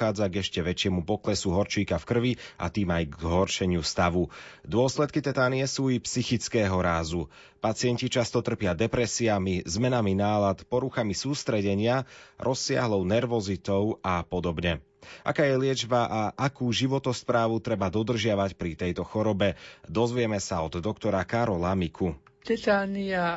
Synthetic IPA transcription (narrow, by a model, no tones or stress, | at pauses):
aːd͡zaɡɛʃcɛʋɛt͡ʃɪɛmupɔklɛsuɦɔɾt͡ʃiːkafkr̩ʋia̰t̪iːmajɡzzɦɔɾʃɛɲɪust̪aʋud̪ʊɔslɛt̪̚kit̪ɛd̪aːniɪɛsuːipsixit͡skɛːɦɔɾaːzu | pat͡sɪɛncit͡ʃast̪ɔt̪r̩pɪad̪ɛpɾɛsiamizmɛnaminaːlat̪pɔɾuxamisuːst̪ɾɛɟɛɲɪaɾʔɔsːɪa̰ɦlɔʊnɛɾʋɔzit̪ɔʊapɔd̪ɔbɲɛ | ʔa̰kaːjɛlɪɛd͡ʒbaʔaʔakuːʒiʋɔt̪ɔspɾaːʋut̪ɾɛbad̪ɔd̪r̩ʒɪaʋacpɾit̪ɛjt̪ɔxɔɾɔbɛd̪ɔzʋɪɛmɛsaɔd̪d̪ɔkt̪ɔɾakaɾɔlamikʰut̪ɛt̪aːnia